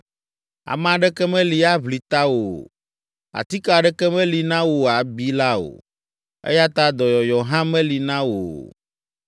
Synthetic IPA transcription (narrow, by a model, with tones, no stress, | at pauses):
a̰˨mã˨ɖɛ˦kɛ˦mɛ̃˦li˨˦a˦βli˨t̪a˦wo˨ | a̰˨t̪i˦ka˨ɖɛ˦kɛ˦mɛ̃˦li˨nã˦wo˨a˨bi˦la˦o̰˨ | ḛ˦ja˦t̪a˦d̪ɔ˨jɔ˨jɔ˨ɦã˦mɛ̃˦li˨nã˦wo̰˨